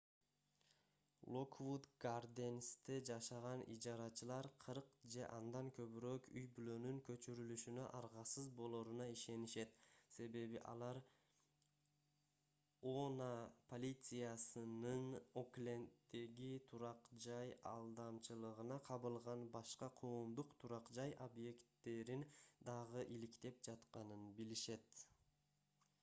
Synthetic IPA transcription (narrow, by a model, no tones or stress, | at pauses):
lˠokvud̪ɡard̪ʲenʲst̪ed͡ʒɑʃɑʁɑnʔḭd͡ʒɑɾɑt͡ʃɯlˠɑɾqʰɯɾqd͡ʒe̞ʔɑnd̪ɑŋkʰø̞βyɾøkyjbylø̞nyŋkø̞t͡ʃyɾylyʃynøʔɑɾʁɑsɯzbo̞lˠoːɾunɑiʃe̞niʃe̞t̪se̞βe̞βiʔɑ̰lˠɑɾ | onapʰo̞lʲit̪sɨjasɯnɯno̞klʲe̞nt̪d̪e̞ɡit̪ʰuɾɑqd͡ʒɑjɑ̰lˠd̪ɑmt͡ʃɯlˠɯʁɯnɑqʰɑβɯlˠʁɑnbɑʃqɑqʰoːmd̪uqt̪ʰuɾɑqd͡ʒɑjʔobje̞kt̪ːe̞ɾind̪ɑʁɯʔilikt̪e̞p̚d͡ʒɑt̪qɑnɯnbiliʃe̞t̪